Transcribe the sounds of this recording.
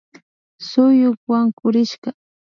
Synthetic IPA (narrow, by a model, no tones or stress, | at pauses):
sʊjʊkwaŋkʊɾɪʃɢɑ